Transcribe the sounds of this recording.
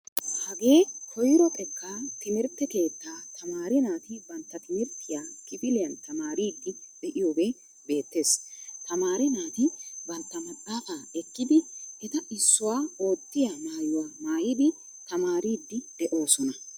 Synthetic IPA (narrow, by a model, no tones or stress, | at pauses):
hɐɡe̞ːkʰɔjɪɾɔt̪ʼɛkːaːt̪ɪmɪɾt̪ːɛke̞ːt̪ːaːt̪ʰɐmaːɾɪnaːt̪ɪbɐnt̪ːɐt̪ɪmɪɾt̪ʰːɪjaːkɪpɪlɪjɐnt̪ɐmaːɾiːd̪ːɪd̪ɛʔɪjoːbe | be̞ːt̪ːe̞ːst̪ɐmaːɾɪnaːt̪ɪbɐnt̪ːɐmɐtʼːaːfaːɛkːɪd̪ɪɪt̪ɐʔɪsːʊwaːo̞ːt̪ːɪjamaːjʊwaːmaːjɪd̪ɪ | t̪ɐmaːɾiːd̪ːɪd̪̥ɛʔo̞ːsɔnɐ